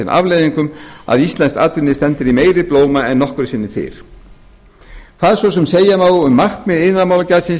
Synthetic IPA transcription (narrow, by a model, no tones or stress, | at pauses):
ɪnʔa̰vleːjðiŋkʏma̰ðist̪lɛnst̪aːt̪ɾɪnːɪst̪ɛnt̪ɪɾimeːjɾɪploːwmaɛnːɔhkʏɾsɪnːɪθɪ̰ɾ̥ | kθaðsvɔsɛmseːjamaːwʏmːar̥kmɪðɪnːamawlacasɪn